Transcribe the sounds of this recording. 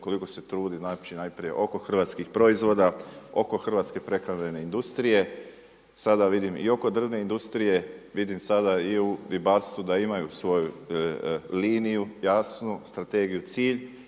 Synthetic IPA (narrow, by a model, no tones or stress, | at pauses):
ko̞liko̞se̞t̪ɾuːd̪inat͡ʃinajpɾije̞̰ʔo̞ko̞xr̩ʋaːt̪skixpɾo̞izʋo̞ːd̪ao̞ko̞xr̩ʋaːt̪ske̞pɾe̞kɾanʎene̞ind̪ust̪ɾije̞ | sad̪aʋid̪imḭo̞ko̞d̪r̩ʋne̞ind̪ust̪ɾije̞ʋid̪imsad̪aiud̪ibat̪st̪ʋud̪aimajusʋo̞ju | liːnijujasnust̪ɾat̪e̞ɡijut̪siːʎ